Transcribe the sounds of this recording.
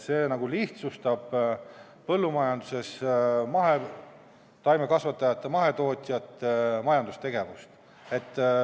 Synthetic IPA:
se̞ːnɑɡ̥uliht̪sust̪ɑb̥ | pɤ̞lːumɑjɑnd̪̥use̞smɑɦe̞ | t̪ɑjmekɑsvɑt̪ːˑɑjɑt̪ːˑemɑɦe̞t̪o̞ːt̪ʲˑjɑt̪ːmɑjɑnd̪ust̪e̞ɡe̞vust̪ | e̞t̪ˑː

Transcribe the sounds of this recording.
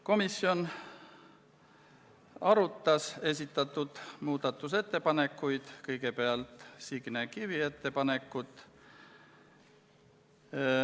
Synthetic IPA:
ko̞misːio̞n | ɑɾut̪ːɑse̞s̬ʲit̪ːˑɑt̪ːˑud̪̥muːd̪̥ɑt̪ːˑus̬e̞t̪ːe̞pɑne̞kːˑujd̪̥kɤjɡ̥e̞peɑlt̪ˑsiɡ̥nekivie̞t̪ːe̞pɑne̞kˑːut̪ˑ

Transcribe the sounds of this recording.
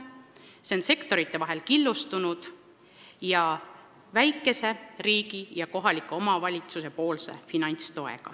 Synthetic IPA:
sense̞kt̪o̞ɾit̪ːe̞vɑɦe̞lkilːust̪unud̪̥ | jɑ | væjkːˑe̞se̞riːɡ̥ijɑko̞ɦɑlikːˑuo̞mɑvɑlʲit̪suse̞po̞ːlse̞̰finɑnʲt̪st̪o̞e̞̰ɡ̥ɑ̰

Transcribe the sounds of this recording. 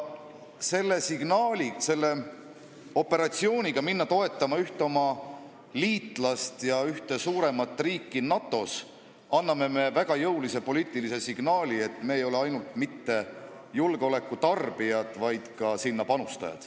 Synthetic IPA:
se̞lːe̞siɡ̥nɑːlʲise̞lːe̞ | o̞pːe̞ɾɑt̪sio̞ːnʲiɡ̥ɑminːɑt̪o̞e̞t̪ˑːɑmɑyht̪eo̞mɑ | liːt̪ːˑlɑst̪jɑyht̪e̞suːɾe̞mɑt̪ːˑriːkˑːinɑt̪ˑːo̞s | ɑnːɑme̞me̞væɡ̥ɑjɤwlise̞po̞liːt̪ːˑilise̞siɡ̥nɑːlʲie̞t̪ːˑme̞ːjo̞le̞ɑjnult̪mit̪ːe̞ | julɡ̥eo̞le̞kːˑut̪ɑrb̥iɑd̪vɑjd̪̥kɑsinːɑpɑnust̪ɑ̰jɑ̰d̪̥

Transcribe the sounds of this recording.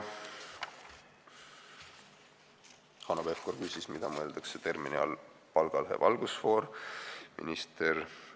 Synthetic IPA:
hɑnobefko̞rkysʲismid̪̥ɑmɤe̞ld̪̥ɑkse̞t̪e̞rminiɑ̰l | pɑlɡ̥ɑlɦḛvɑlɡ̥usfo̞ːɾmʔḭnist̪er

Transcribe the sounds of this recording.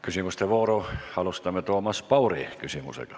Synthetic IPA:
kysimyst̪eʋoːrohɑlust̪ɑmet̪uomɑspɑurḭˑkysimṵsḛkɑ

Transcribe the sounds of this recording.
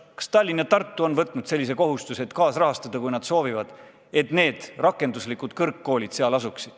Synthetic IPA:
kɑ̥st̪ɑlʲːinɑt̪ɑrt̪ˑːuo̞nvɤt̪ˑnud̪̥se̞lːis̬e̞ko̞ɦust̪uset̪kɑːsrɑɦɑst̪ɑd̪̥ɑkujnɑd̪̥so̞ːvivɑd̪̥ | e̞t̪ne̞ːd̪̥rɑkˑːe̞nd̪uslikud̪̥kɤrkːo̞ːlʲid̪̥seɑlɑsuksid̪̥

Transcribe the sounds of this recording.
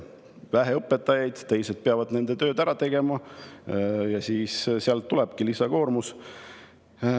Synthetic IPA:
væɦe̞ɤpːˑe̞t̪ːˑɑjɑjd̪̥t̪e̞jsed̪̥̚peɑvɑd̪̥ne̞nd̪̥e̞t̪ø̞ːd̪æɾɑt̪e̞ɡ̥e̞mɑ | jɑsiːsseɑlt̪ːuleb̥kilisɑko̞ːrmus

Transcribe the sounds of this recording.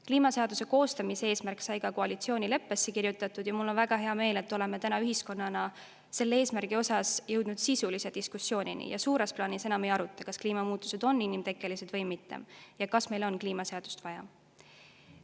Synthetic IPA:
kliːmɑse̞ɑd̪use̞ko̞ːst̪ɑmisee̞ːsmærksɑjkɑkoɑlit̪sio̞ːnʲile̞pːˑe̞sːe̞kirjut̪ːˑɑt̪ˑːud̪̥jɑmulːo̞nvæɡ̥ɑɦe̞ɑme̞ːle̞t̪ːˑo̞le̞met̪ænɑyɦisko̞nːɑnɑ | se̞lːee̞ːsmærɡ̥io̞sɑsjɤwd̪̥nud̪̥sisulised̪̥iskusːjo̞ːnʲḭnḭjɑ̰suːɾesplɑːnise̞nɑme̞jɑɾut̪ːˑɑkɑskliːmɑmuːt̪ːˑu̥se̞d̪o̞nːinːimt̪e̞kːˑe̞lise̞d̪̥vɤjmit̪ːˑḛmjɑkɑsme̞jlo̞nkliːmɑse̞ɑd̪̥u̥st̪vɑjɑ̰

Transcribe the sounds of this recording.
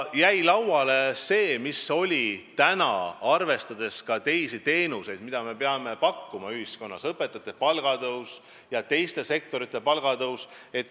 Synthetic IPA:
jæjlɑwɑle̞se̞ːmiso̞lʲit̪ænɑ̰ɑrve̞st̪ɑd̪̥e̞skɑt̪e̞jsit̪e̞ːnuse̞jd̪̥̚mid̪ɑme̞pe̞ɑme̞pɑkːumɑyhisko̞nːɑsɤpːe̞t̪ːˑɑt̪ːˑepɑlɡ̥ɑd̪ɤws | jɑt̪e̞jst̪e̞se̞k̚t̪o̞ɾit̪ːˑe̞pɑlɡ̥ɑd̪ɤws | e̞t̪ːˑ

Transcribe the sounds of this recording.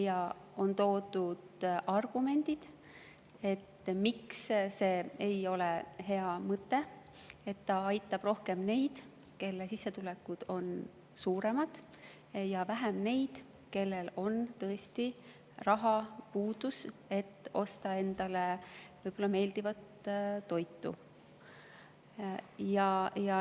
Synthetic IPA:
jɑo̞nt̪o̞ːd̪̥ud̪̥ʔɑrɡ̥ume̞nd̪̥id̪̥ | e̞t̪ːmiksse̞ːejo̞lehe̞ɑmɤt̪ːˑe̞ | et̪ːɑɑjt̪ːˑɑb̥ro̞hke̞mne̞jd̪̥ | ke̞lːesisːe̞t̪ulekːud̪̥o̞n | suːɾe̞mɑd̪̥ | jɑvæɦemne̞jd̪̥ | ke̞lːe̞lo̞nt̪ɤest̪i | rɑɦɑpuːd̪̥use̞t̪ːo̞̰st̪ɑe̞nd̪̥ɑle̞vɤjb̥o̞lːɑme̞ːld̪ivɑt̪t̪ːo̞jt̪ːˑṵ | jɑjɑ

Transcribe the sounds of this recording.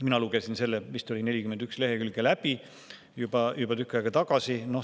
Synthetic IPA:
minɑluɡ̥e̞sinse̞lːemist̪olʲinelʲikymend̪yksle̞ɦekylɡ̥elæb̥i | jub̥ɑjubɑt̪ykːˑɑɡɑt̪ɑɡ̥ɑsino̞

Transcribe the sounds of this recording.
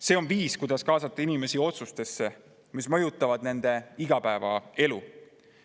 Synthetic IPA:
se̞ːo̞nviːskujd̪̥ɑskɑːsɑt̪ˑːɑinime̞sio̞t̪sust̪e̞sːe̞ | mismɤ̞jut̪ːˑɑvɑd̪̥ne̞nd̪̥e̞iɡ̥ɑpæevɑ̰e̞lu

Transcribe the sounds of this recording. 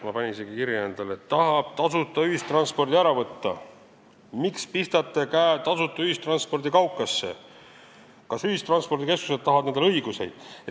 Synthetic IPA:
mɑpɑnʲiniseɡikiɾjeːnd̪̥ɑlet̪ːɑɦɑb̥̚t̪ɑsut̪ːˑɑyɦist̪rɑnspo̞rd̪iæɾɑvɤt̪ːɑ̰ | mikspist̪ɑt̪ˑːekæːt̪ɑsut̪ːˑɑyist̪rɑnspo̞rd̪ikɑwkːˑɑsːḛ | kɑsyist̪rɑnspo̞rd̪ike̞sku̥set̪ːɑhɦɑvɑd̪ned̪lɤiɡuse̞̰jd̪̥e

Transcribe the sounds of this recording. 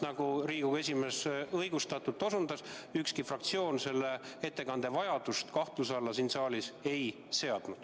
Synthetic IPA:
nɑɡ̥uɾiːɡuɡe̞s̬ʲime̞sɤjɡ̥ust̪ɑt̪ːˑut̪ːˑo̞sund̪ɑsykskifrɑk̚t̪sio̞ːnse̞lːee̞t̪ːe̞kɑnd̪̥e̞vɑjɑd̪̥ust̪kɑht̪lus̬ɑlːɑsinsɑːlʲise̞j | se̞ɑd̪̥nud̪̥

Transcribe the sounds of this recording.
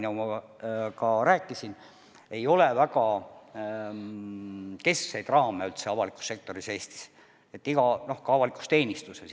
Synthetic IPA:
nɑmɑkɑɾæːkːˑisin | e̞jo̞le̞væɡ̥ɑ | ke̞ssejd̪rɑːmeylt̪se̞ɑvɑlikˑu̥sːe̞k̚t̪o̞ɾise̞ːst̪i̥s | e̞t̪ːiɡ̥ɑno̞hkɑɑvɑliku̥st̪e̞ːnʲist̪use

